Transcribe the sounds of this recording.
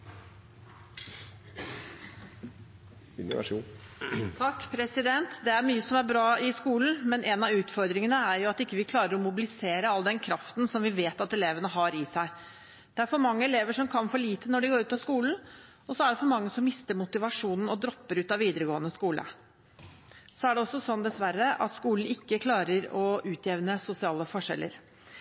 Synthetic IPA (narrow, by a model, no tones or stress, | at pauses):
ɪnʊ̰ʋɑ̰ʂuːn | t̪ʰɑkːpʰɾɛsɪd̪ɛnt̪d̪ɛæɾmyːəsɔmæɾbɾɑːɪskuːln̩mɛnʔɛnɑʉːt̪fɔɾd̪ɾɪŋənəæɾjʊɑt̪ɪkːəʋɪkʰlɑːɾəɾɔmʊbɪlɪseːɾəɑlːəd̪ɛnkʰɾɑft̪nsɔmʋɪʋeːt̪ɑt̪ɛleːʋənəɦɑɾɪsæɪ | d̪̥ɛæɾfɔɾmɑŋːəɛleːʋəʂɔmkʰɑnfɔɭiːt̪ənɔɖɪɡoːɾʉːt̪ɑskuːln̩ | ɔsɔæɖɛfɔɾmɑŋːəsɔmːɪst̪əɾmʊt̪ɪʋɑʂuːnn̩ɔd̪ɾɔpːəɾʉːt̪ɑʋiːd̪əɾəɡoːənəskuːlə̰ | sɔæɖɛɔsːɔsɔnd̪ɛsʋæɾːəʔɑ̰t̪skuːln̩ɪkːəkʰlɑːɾəɾɔʔʉːt̪ʰjeːʋnəsʊsɪɑːləfɔʂɛ̰lːə̰ɾ